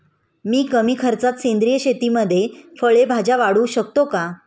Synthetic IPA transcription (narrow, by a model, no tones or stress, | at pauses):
miːkəmiːkʰəɾt͡sat̪ɕend̪ɾijəɕet̪iːməd̪ʱːjefəɭebʱad͡ʑaʋaɽuːɕəkt̪oka